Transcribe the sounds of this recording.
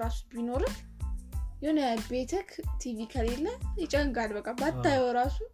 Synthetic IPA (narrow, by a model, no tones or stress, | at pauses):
ɾasu̥bino̞ɾɨ | jɛonəbet̪ʰəkʰt̪ʰivikʰəlelːəjɛt͡ʃʼəŋɡalbəkʼːabat̪ːajwɔɾasun